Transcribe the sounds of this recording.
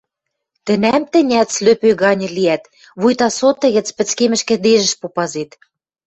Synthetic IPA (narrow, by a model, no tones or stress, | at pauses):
t̪ə̆næmt̪ɘ̆nʲæt̪t͡sløpøɣɑnʲɤ̆liæt̪ | βujt̪ɑsot̪ːə̆ɣɘ̆t͡spɘ̆t͡skemɘ̆ʃkɘ̆d̪eʒə̆ʃpopɑzet̪